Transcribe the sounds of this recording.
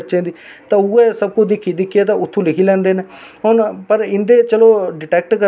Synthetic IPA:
t͡ʃẽːd̪iːt̪ãːuːɛːsəb̚kʊt͡ʃd̪ɪkʰːiːd̪ɪkʰːeːt̪ãːʊt̪ʰːũːlɪkʰiːlɛ̃ːnd̪eːneːɦonpəɾɪnd̪eːt͡ʃəloːɖɪʈɛːk̚ʈkə

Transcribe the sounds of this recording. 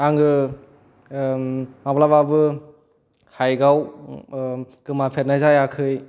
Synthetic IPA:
aŋɯ | mablababɯ | hajɡaw | ɡ̥ɯmapʰet̚najzajakʰɯj

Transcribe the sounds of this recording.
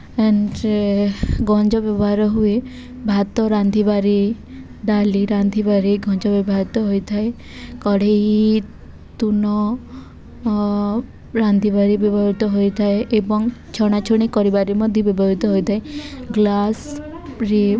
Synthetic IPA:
eɳɖ | ɡɔnd͡ʒɔbjɔbɔɦaɾɔɦue | bʱat̪ɔɾand̪ʱibaɾi | ɖ̪aliɾand̪ʱibaɾiɡɔnd͡ʒɔbjɔbɔɦaɾit̪ɔɦojt̪ʰae | kɔɽei | t̪unɔ | ɾand̪ʱibaɾibibʱɔɦit̪ɔɦojt̪ʰaeebɔŋt͡ʃʰɔɽ̃at͡ʃʰɔɽ̃ikɔɾibaɾimɔd̪ʱjɔbibʱɔɾit̪ɔɦojt̪ʰaeɡlas | ɾi

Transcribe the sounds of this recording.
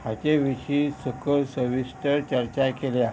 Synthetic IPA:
hat͡ɕeʋiɕisəkʰəɾsəʋisʈ̪əɾt͡ɕəɾt͡ɕakelja

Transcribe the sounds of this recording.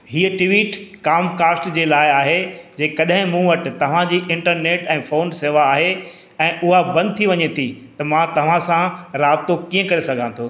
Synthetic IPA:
ɦiːəʈɪʋiːʈkaːmkaːsʈd͡ʑeːlaːɪaːɦed͡ʑeːkɐɗɦɪ̃mũʋɐʈɪ̆t̪ɐʋ̤ãd͡ʑiːʔɪ̃ɳʈəɾneːʈɛ̃ːfoːnseːʋaːɦe | ɛ̃ːʔʊɦabɐ̃nd̪̚t̪ʰiʋɐɲet̪ʰit̪ɐmãt̪ɐʋ̤ãsãɾaːb̚t̪okiːə̃kɐɾesɐɡʱãːt̪ʰoː

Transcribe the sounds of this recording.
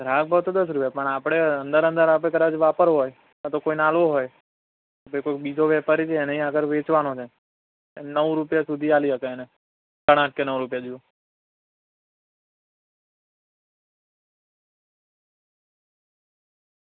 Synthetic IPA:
ɡ̪ʱɾãk̚bʱabt̪od̪əs̬ɾupjapəɳapɽ̃eənd̪əɾə̃nd̪əɾap̬ɽek̬əd̪ãt͡ʃʋapəɾɦoj | at̪okoinalʋoɦoj | opojkokbid͡ʒʱoʋjɛpaɾit͡ʃʰeːneɦĩaɡəɾʋet͡ʃʋanot͡ʃʰe | nəʋɾupjasud̪ʱialiʃəkeene | kəɽ̃ãʈ̚kenəʋɾup̬jad͡ʒuo

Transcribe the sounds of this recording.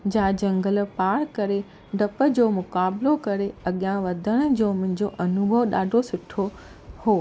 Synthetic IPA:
d͡ʑãːd͡ʑɐ̃ŋɡəlpaːɾkɐɾe | ɖɐpə̆d͡ʑoːmʊkaːblokɐɾeɐɠijãʋɐd̪ʱəɽ̃ə̆d͡ʑoːmʊ̃ɦɪ̃ɲd͡ʑoʔɐnʊbʱəʋɗaːɖʱosʊʈʰo | hoː

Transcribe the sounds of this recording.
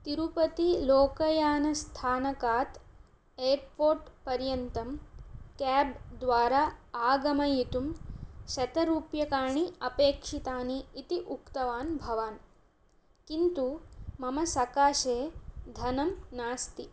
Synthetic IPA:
t̪iɾupɐt̪iloːkɐjaːnɐst̪ʰaːnɐkaːt̪ | eːɾpoːɾʈpɐɾjɐnt̪ɐmkɛːbd̪ʋaːɾaaːɡɐmɐjit̪umʃɐt̪ɐɾuːpjɐkaːɳiɐpeːkʂit̪aːniːt̪iʔukt̪ɐʋaːnbʱɐʋaːn | kint̪umɐmɐsɐkaːʃeːd̪ʱɐnɐmnaːst̪i

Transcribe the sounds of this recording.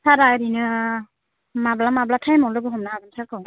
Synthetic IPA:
sʰaɾajɾinɯ | mablamablatʰajmɔlɯɡɯɦɔmnaːɡɯnsʰakɯ

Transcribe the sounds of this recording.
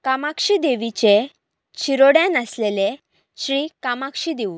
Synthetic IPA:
kamakʂid̪eʋit͡ɕe | t͡ɕʰiɾoɽjanəslele | ɕɾiːkamakʂid̪eʋu

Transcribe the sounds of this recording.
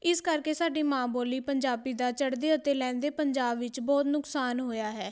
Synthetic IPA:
ɪskəɾkeːsaːɖiːmãːboːliːpəɲd͡ʒaːbiːd̪aːt͡ʃəɽd̪eːət̪eːlɛ̃ːnd̪eːpəɲd͡ʒaːbʋɪt͡ʃbɔːt̪nʊksaːnɦoːjaːɦɛː

